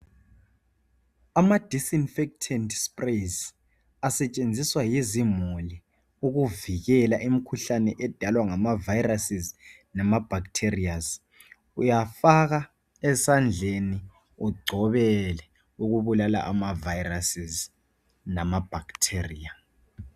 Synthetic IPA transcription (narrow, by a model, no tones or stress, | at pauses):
amad̥ʱisinfɛk̚tʰɛndspʼres | asɛt͡ʃʼend͡zʱiswajiezimuli | uɣuviɣɛlaʔimikʰuɬanɛʔɛd̥ʱalwaŋamavajrasiz | namab̥ʱaktʰeriaz | ujafaɣa | ɛsand͡ɮʱeni | uɡ͡ǀʱɔβɛlɛ | uɣuβulala̰ʔamavajirasiz | namab̥ʱaktʰeria